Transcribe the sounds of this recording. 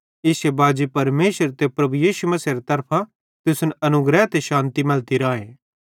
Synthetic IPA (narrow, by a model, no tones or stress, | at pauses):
ɪsjebaːd͡ʒepɐɾmeːʃəɾt̪epɾɐbujiːsumɐsiɾet̪ɐɾpʰã | t̪ɪsʊnɐnʊɡɾɛt̪eʃãːnt̪imɐlt̪iɾaːẽː